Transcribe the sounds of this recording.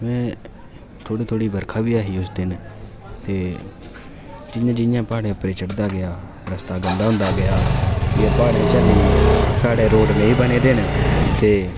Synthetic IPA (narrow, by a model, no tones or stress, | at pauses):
mɛ̃ː | t̪ʰoːɽiːt̪ʰoːɽiːbəɾkʰaːbiːaːɦiːʊsd̪ɪn | t̪eː | d͡ʒɪjãːd͡ʒɪnjãːpaːɽẽːpɾeːt͡ʃəɽd̪aːɡɪjaː | ɾəst̪aːɡənd̪aːɦʊ̃ːnd̪aːɡɪjaːjeːpaːɽeːt͡ʃəleːsaːɽeːɾoːʈnə̃ĩːbəneːd̪eːneːt̪eː